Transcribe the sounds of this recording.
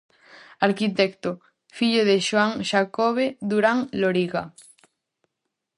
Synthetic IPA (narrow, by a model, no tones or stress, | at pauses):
aɾkit̪ɛkt̪o | fiʎoðeʃoaŋʃakoβeðuɾaŋloɾiɣa